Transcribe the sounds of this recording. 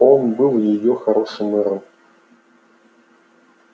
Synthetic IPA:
onbɨlˠjɪjoxɐɾo̞ʂɨmɛɾɨm

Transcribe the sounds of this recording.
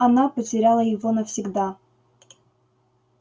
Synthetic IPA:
ɐnapətʲɪɾʲalˠəjɪvonəfsʲɪɡd̪a

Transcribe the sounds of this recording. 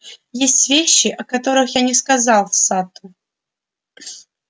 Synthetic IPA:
jesʲtʲvʲeɕːɪʔɐkɐt̪o̞ɾɨxjanʲɪskɐzɑlˠfsat̪ʊ

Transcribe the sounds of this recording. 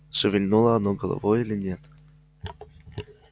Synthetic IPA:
ʂəvʲɪlʲnulˠəɐnoɡəlˠɐ̰vojilʲɪnʲet̪

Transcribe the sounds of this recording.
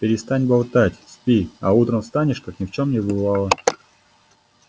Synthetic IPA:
pʲɪɾʲɪst̪anʲbalˠt̪atʲspʲiaut̪ɾəmfst̪anʲɪʂkaknʲɪft͡ɕo̞mnʲɪbɨvɑlˠə

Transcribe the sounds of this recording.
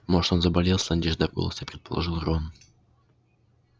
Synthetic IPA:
moʐt̪onzəbɐlʲelˠsʲlˠɐnʲd̪ʲeʐd̪ɐɡolˠə̰səipɾʲɪt̪̚pəlˠɐ̰ʐɨlˠron

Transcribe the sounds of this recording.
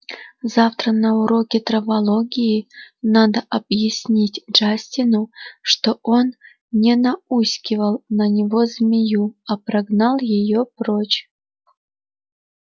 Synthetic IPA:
zaft̪ɾənɐʊɾo̞kʲɪt̪ɾɐvɐlˠoɡʲɪjinad̪əʔɐbjɪsʲnʲitʲʐ̥asʲtʲɪnuʂt̪oʔon | nʲɛnɐusʲkʲɪvəlˠnɐnʲɪvozmʲɪjuɐpɾɐɡnalˠjɪjopɾot͡ɕ

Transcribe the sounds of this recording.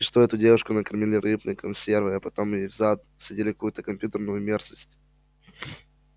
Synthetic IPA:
ʂt̪oɛt̪ʊdʲe̞vʊʂkʊnəkɐrmʲɪlʲɪɾɨbnɨjəkɐnsʲe̞rvɨɐpɐt̪o̞mɪvzat̪sɐdʲilʲɪkɐkujʊt̪əkɐmʲpʲjut̪ərnʊjʊmʲerzəsʲtʲ

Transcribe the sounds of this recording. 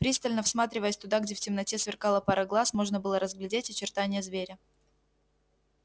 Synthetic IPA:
pɾʲist̪əlʲnəfsmat̪ɾʲɪvəjəsʲt̪ʊd̪aɡdʲeftʲɪmnɐtʲesvʲɪrkalˠəpaɾəɡlˠasmo̞ʐnəbɨlˠəɾəzɡlʲɪdʲetʲɐt͡ɕɪrt̪anʲɪjəzvʲeɾʲɪ

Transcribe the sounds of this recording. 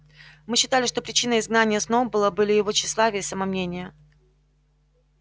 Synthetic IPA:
mɨɕːɪt̪alʲɪʂt̪o̞pɾʲɪt͡ɕinəɪzɡnanʲɪjəsnobɨlˠəbɨlʲɪjɪvo̞ɕːɪslˠavʲɪjɪsəməmnʲenʲɪjə

